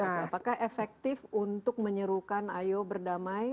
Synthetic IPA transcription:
apakahefɛk̚t̪ɪfunt̪ʊk̚məɲəɾukanajobərdamaj

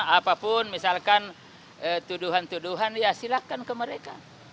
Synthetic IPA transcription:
apapʊnmisalkan | ət̪uduɦant̪uduɦaniasilakankəməɾeka

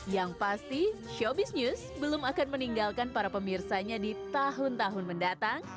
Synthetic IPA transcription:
jaŋpast̪iʃobisnjus | bəlʊmakanməniŋɡalkanpaɾapəmirsaɲadit̪aɦʊnt̪aɦʊnməndat̪aŋ

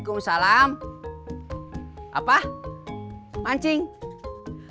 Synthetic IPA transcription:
kumsalam | ʔa̰pa | maɲt͡ʃɪŋ

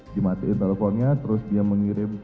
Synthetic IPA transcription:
dimat̪uɪnt̪eləfɔnɲat̪əɾʊsdiaməŋiɾɪm

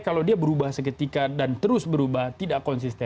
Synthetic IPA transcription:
kalawdiabəɾubahsəkət̪ikadant̪əɾʊsbəɾubaht̪idaʔkɔnsist̪ɛ

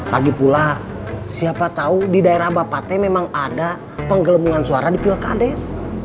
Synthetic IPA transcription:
laɡipula | siapat̪audidaeɾahbapat̪ɛmemaŋada | pəŋɡələmuŋansuaɾadipilka̰dɛs

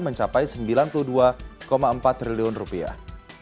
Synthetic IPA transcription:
məɲt͡ʃapajsəmbilanpuluhduakomaəmpat̪ːɾiliʊnrupia̰h

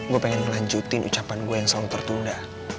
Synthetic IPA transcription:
ŋɡupeŋɛnməlaɲd͡ʒut̪inʔṵt͡ʃapanɡuejaŋsɔŋt̪ərt̪unda

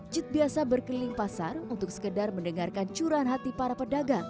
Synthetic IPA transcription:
d͡ʒɪt̪̚biasabərkəlɪŋpasarunt̪ʊk̚sə̥kədarməndəŋarkant͡ʃuɾanɦat̪ipaɾapədaɡa

